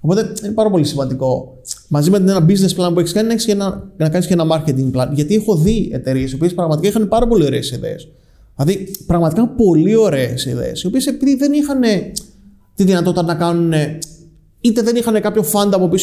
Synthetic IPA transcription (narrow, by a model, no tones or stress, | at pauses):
opo̞t̪e̞inepɐɾɐpo̞lisimɐnd̪iko̞ | mɐzimet̪inenɐbizne̞splɐnp̬ue̞çiskɐninɐeçisceenɐnɐkɐniscenɐmɐɾce̞t̪iŋɡ̚plɐnʝɐt̪iexo̞ðie̞̰t̪e̞ɾie̞sio̞piespɾɐɣmɐt̪ikɐixɐne̞pɐɾɐpo̞lio̞ɾe̞ːsiðe̞̰ḛs | ilɐðipɾɐɣmɐt̪ikɐpo̞lio̞ɾe̞ːsiðḛesio̞pie̞se̞piðiðe̞nixɐne̞ | t̪iðinɐt̪o̞t̪it̪ɐnɐkɐnune̞ | it̪e̞ðe̞nixɐnekɐpço̞fɐnd̪ɐːpo̞pis